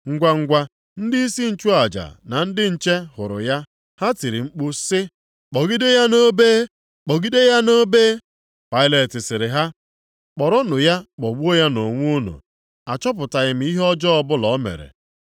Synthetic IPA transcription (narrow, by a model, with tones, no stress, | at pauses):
ŋ̩˦ɡʷa˦ŋ̩˦ɡʷa˦ | n̩˦dɪ˦i˦si˦n̩˨t͡ʃu˦a˨d͡ʒa̰˨na˨n̩˦dɪ˦n̩˨t͡ʃe˦hʊ˨ɾʊ̰˨ja˦ | ha˦ti˨ɾi˨ŋ͡m̩˦k͡pu˦sɪ˦ | k͡pɔ˨ɡi˦de˦ja˦no˦beː˦ | k͡pɔ˨ɡi˦de˦ja˦no˦beː˦ | pa˦ɪ˦le˨tɪ˨sɪ˨ɾɪ˨ɦa˦ | k͡pɔ˨ɾɔ˦nʊ˨ja˦k͡pɔ˨ɡ͡bu˦o˦ja˦no˨ŋʷu˦nṵ˨ | a˨t͡ʃɔ˦p̬ʊ˨ta˨ɣɪ˨m̩˦i˦ɦɔ˦d͡ʒɔ˦ɔ˦bʊ˦lɔ˨˦mḛ˨ɾḛ˨